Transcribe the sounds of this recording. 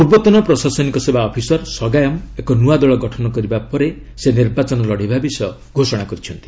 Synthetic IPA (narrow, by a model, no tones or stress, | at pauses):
uɾbɔt̪ɔnɔpɾɔsasɔnikɔsebaɔpʰisɔɾsɔɡajɔmekɔnuad̪ɔɭɔɡɔʈʰɔnɔkɔɾibapɔɾe | seniɾbat͡ʃɔnɔlɔɽ̤ibʱabisɔ | ɡʱosɔɽakɔɾit͡ʃʰɔnt̪i̥